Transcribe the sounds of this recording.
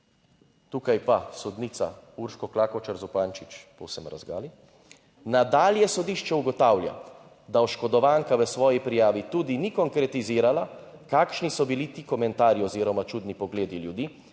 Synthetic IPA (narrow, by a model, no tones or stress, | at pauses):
t̪uːkajpasɔd̪niːt̪sa̰uɾʃkɔklaːkɔt͡ʃaɾzupaːnt͡ʃit͡ʃpowsɛmɾa̰zɡa̰ːli | nad̪aːljɛsɔd̪iːʃt͡ʃɛuɡɔt̪aːwlja̰ | d̪aɔʃkɔd̪ɔʋaːŋkaʋəsʋɔːjipɾijaːʋit̪uːd̪inikɔŋkɾɛt̪iziːɾalakaːkʃnisɔbilit̪iːkɔmɛnt̪aːɾiɔziːɾɔmat͡ʃuːd̪nipɔɡleːd̪iljud̪iː